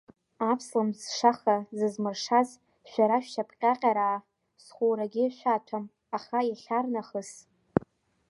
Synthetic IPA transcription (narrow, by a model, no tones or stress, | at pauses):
apʰslamzʂaχazɨzmɨrʂaz | ʃʷᶣaɾaʃᶣʃapʰʼqʲʼaqʲʼaɾaː | sχʷuɾaɡʲɪʃʷatʷʰam | aχaiχʲarnaχəs